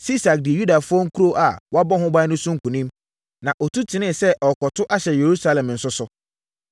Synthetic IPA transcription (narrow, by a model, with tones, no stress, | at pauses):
si˦sa˨k̚dɪ˨e˨ju˦da˨fʊ˦ɔ̃˦ŋ̩˦kʰu˦ɾo˦ʔa˨wɔ˦a˦bɔ˦ɦʊ̃˦ba˦nʊ̃˦sʊ̃˦ŋ̩˦˨kũ˨nĩ˦m | nã˨ʔɔ˨tʰu˦tʰɪ˨nɪ̃˦sɛ˦ʔɔ˨kɔ˨tʰʊ˦ʔa˦ɕɛ˨je˨ɾu˦sa˦lɛ̃˨mn̩˨sʊ˦sʊ˨